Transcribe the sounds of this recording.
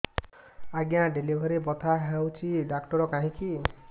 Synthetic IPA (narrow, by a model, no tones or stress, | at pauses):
aɡjãɖelibʱaɾibɔt̪ʰaɦewt͡ʃʰiɖakʈɔɾɔkaɦĩki